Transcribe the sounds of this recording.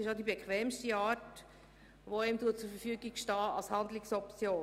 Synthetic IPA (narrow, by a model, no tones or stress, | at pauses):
sɪʃodibɛkʰχʋɛːmstiɑːt | ʋoemt̪uːət̚t͡sʊɾfəɾfyːɡɪɡʃtɑːʔɑlshɑndlɪksɔpt͡sjoː